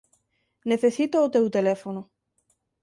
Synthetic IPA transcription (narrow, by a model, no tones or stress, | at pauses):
neθesit̪oːt̪ewt̪elefono